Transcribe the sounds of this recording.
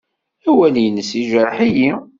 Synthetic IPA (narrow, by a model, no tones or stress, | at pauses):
æwæljənːəsiʒɾˤħiji